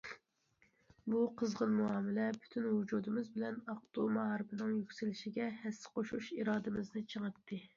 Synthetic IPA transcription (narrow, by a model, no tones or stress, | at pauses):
buqʰəzʁənmuɑːmɪlɛpʰy̥t̪ʰynhud͡ʒuːd̪ɨmɨzbɪlɛnɑq̚t̪umɑɦɑɾɨbɨnɨŋjykʲsɪlɪʃiɡʲɛhɛsːɪ̥qʰoʃuʃiɾɑːd̪ɨmɪznɨt͡ʃʰəŋɨt̪ʰːɨ